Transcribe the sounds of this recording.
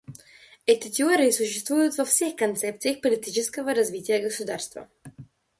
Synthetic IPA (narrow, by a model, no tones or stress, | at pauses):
ɛt̪it̪ʲiɔɾisuʃɛst̪vujʊt̪vɔfsɛxkont̪sɛp̚t̪siixpolit̪it͡ʃɛskəvəɾazvit̪iɛɡosud̪aɾst̪vo̰